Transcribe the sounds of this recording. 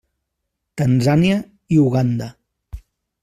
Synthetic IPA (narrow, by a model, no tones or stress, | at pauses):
t̪ənzaniə | iuɣand̪ə